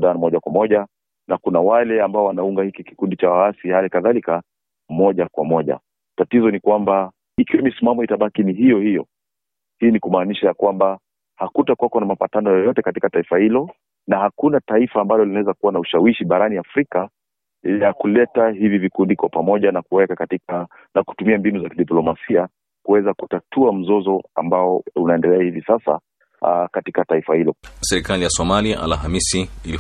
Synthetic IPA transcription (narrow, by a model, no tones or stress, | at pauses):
ɗanmɔʄakwamɔʄa | nakunawalɛambaɔwanauŋɡahikiki̥kundit͡ʃawaasihalikaðalika | mɔʄakwamɔʄa̰ | tatizɔnikwamba | ikiwɛmisimamɔitaɓakiniɦijɔhijɔ̰ | hiːnikumaːniʃajakwamba | hakutakwakɔnamapatanɔjɔjɔtɛkatikataifahilɔ | nahakunataifaːmbajɔlinawɛzakuwanauʃawiʃiɓaɾaniafɾika | jakulɛtahivivikundikwapamɔʄanakuwɛkati | naku̥tumiambinuzakiɗiplɔmasia | kuwɛzakutatuam̩zɔzɔa̰mbaɔunaɛndɛlɛahivisasa̰ | katikataifahilɔsɛɾikalijasɔmaliaʔa̰lɦamisiili